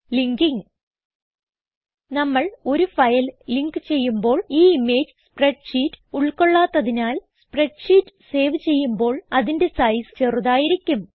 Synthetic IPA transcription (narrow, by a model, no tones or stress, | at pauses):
liŋɡiŋ | nɐmːɐɭo̞ɾufɐjɐlliŋkɨt͡ɕe̞jːumbo̞ːɭiːimːe̞ːd͡ʑɨspreɖʂiːtːɨ̥uɭko̞ɭːaːt̪ːɐðinaːlspre̞ɖʂiːtːɨ̥se̞ːʋt͡ɕe̞jːumbo̞ːɭɐðinde̞sɐjsɨ̥t͡ɕe̞ruðaːjiɾikʲːum